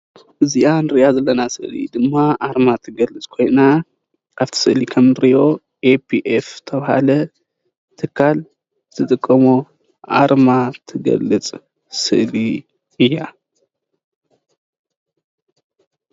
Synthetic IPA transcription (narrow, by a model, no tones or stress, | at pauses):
ʔɨziʔanɨɾɨʔazɐlːɐnasɨ̰ʔlḭd̪ɨmːaʔaɾmat̪ʰɨɡɐlːɨt͡sʼkʰo̞jna | ʔaβt̪ʰi̥sɨʔlikʰɐmnɨɾijo̞ | ʔepʰiʔeft̪ʰɐβɐha̰lɐ | t̪ʰɨkʰːal | zɨt̪ʰɨt̪ʼɨkʼːɐmo | ʔa̰ɾmat̪ʰɨɡɐ̰lːɨt͡sʼ | sɨ̰ʔli | ʔɨjːa